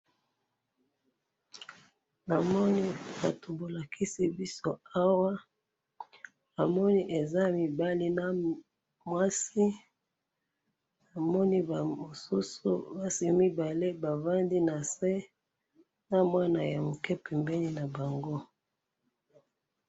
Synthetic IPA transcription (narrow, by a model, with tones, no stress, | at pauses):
na˨mɔ˦ni˦ba˨to˨bo˨la˨kʰi˦si˦bi˦so˦a˦wa˦ | a˨mɔ˦ni˦ʔe˨za˦mi˨ba˦li˦na˦ | mwa˦si˦ | na˨mɔ˦ni˦ba˨mo˨su˦sṵ˦ba˦si˨mi˦ba˨le˦ba˨va˦ndi˦na˨se˦ | na˦mwa˦na˨ja˨mo˨kɛ˦pɛ˨mbɛ˦li˦na˨ba˨ŋɡo˦